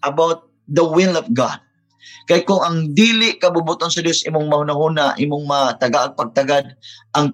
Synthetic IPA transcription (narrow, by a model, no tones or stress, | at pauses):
ʔɐbawt̪̚ | d̪ɐwɪlɔvɡa̰d̪̚ | kajkʊŋɐŋd̪iːlɪʔkɐbʊbʊt̪onsɐd̪josʔimʊŋmɐhunahunaʔimʊŋmɐat̪ɐɡaʔɐɡ̚pɐɡ̚t̪aɡad̪̚ʔɐŋ